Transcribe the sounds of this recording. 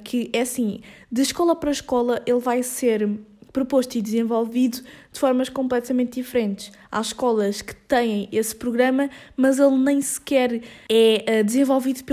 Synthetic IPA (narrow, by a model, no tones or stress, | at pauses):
kʰɨʔɛɐsĩd̪ɨʃkɔlˠɐpɐɾɐʃkɔlˠɐʔelˠvajseɾpɾupoʃt̪id̪ɨzẽvolˠviðud̪̥ɨfɔɾmɐʃkõmp̬lˠɛt̪ɐmẽnt̪̚d̪ifɾẽnt̪ʃ | a̰ʃkɔlˠɐʃkɨ̥t̪ɐ̃j̃ɐ̃j̃espɾuɣɾɐmɐmɐzelˠnɐ̃j̃sɨ̥kɛɾɛɛd̪ɨzẽvɔlˠviðup